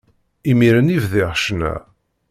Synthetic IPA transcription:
imiɾənivðɪʁʃnæ̰

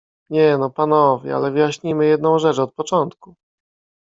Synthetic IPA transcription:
ɲɛnɔpanɔvʲjɛ̰a̰lɛvɘjaɕɲimɘjɛd̪nɔ̃w̃ʐɛt͡ʂɔt̪̚pɔt͡ʂɔnt̪ku

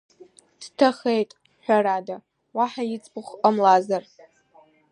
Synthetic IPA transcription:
d̥tʰaχejtʼ | ħʷᶣaɾada | waħajɪt͡sʼbɨχʷqʼəmlazar

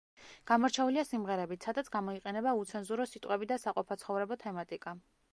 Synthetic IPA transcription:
ɡ̥amɔɾt͡ʃʰɛuliasimʁɛɾɛbit̪sʰad̪at̪sʰɡamɔiqʼɛnɛbaut̪sʰɛnzuɾɔsit̪ʼqʼwɛbid̪asaqʼɔpʰat̪sʰχɔvɾɛbɔt̪ʰɛmat̪ʼikʼa

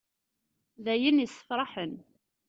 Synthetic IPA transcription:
ðæjənisːə̥fɾˤɑħən

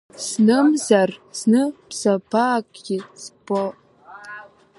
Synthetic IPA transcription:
snɨmzarsnɨpsapʰaːkʼɡʲisbo

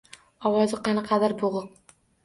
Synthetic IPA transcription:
ɒwɒzɪqʰɑnaqʰɑd̪aɾboʁʊq̚

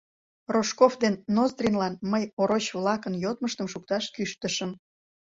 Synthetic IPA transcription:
roʃkofd̪enːozd̪rʲinlɑnməjoɾot͡ɕβlɑkənjot̪̚məʃt̪əmʃuk̚t̪ɑʃkyʃt̪əʃəm

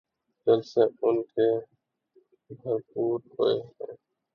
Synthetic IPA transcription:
d͡ʒəlseʊnkeː | bʱəɾpuːɾɦoeɦɛ̃ː

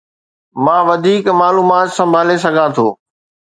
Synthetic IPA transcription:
mãːʋɐd̪ʱiːkmaːluːmaːt̪sɐ̃mbʱaːles̬ɐɡʱãt̪ʰoː

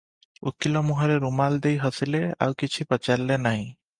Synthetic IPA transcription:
ṵkilɔmuɦəɾeɾumald̪eiɦəsilea̰ukit͡ʃʰipət͡ʃaɾlːenaɦĩ

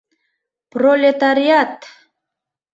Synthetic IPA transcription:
prolʲet̪aɾiat̪

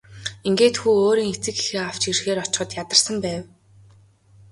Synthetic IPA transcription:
iŋɡeːt̪xuːoːɾiːŋet͡sɘ̆kɡi̥xeːaw̥t͡ɕirxeːɾɔt͡ɕ̆χə̆t̪jat̪ə̆rsə̆mpæːw

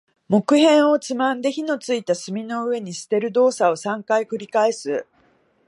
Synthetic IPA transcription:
mo̞kɯ̟ɦẽ̞ɰ̃o̞t͡sɨmãnd̪e̞çino̞t͡sɨit̪asɨmʲino̞ɯ̟e̞ɲ̟isɨ̥t̪e̞ɾɯ̟d̪o̞ːsao̞sãŋkaikɯ̟ɾʲikae̞sɨ

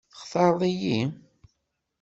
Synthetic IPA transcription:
χθɑɾˤðˤiji

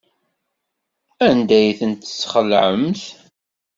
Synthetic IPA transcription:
ænd̪æjθənt̪ə̥sːχəlʕə̰mθ

